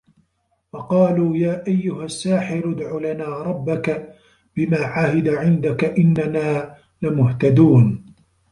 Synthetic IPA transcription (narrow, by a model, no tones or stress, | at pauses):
fɑqɑːluːjaːʔajːʊhasːaːħɪɾʊd̪ʕulanaːɾˤɑbːaka | bɪmaːʕahɪd̪aʕɪnd̪akaʔɪnːanaː | lɪmʊht̪ad̪uːn